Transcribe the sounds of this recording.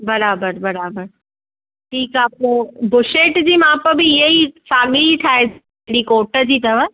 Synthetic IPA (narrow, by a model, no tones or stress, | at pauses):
bɐɾaːbəɾbɐɾaːbəɾ | ʈʰiːkapobʊʃeːʈd͡ʑiːmãːpəbʱiɪɦeisaːɡiit̪ʰaːe | ɽikoːʈəd͡ʑiːt̪ɐʋə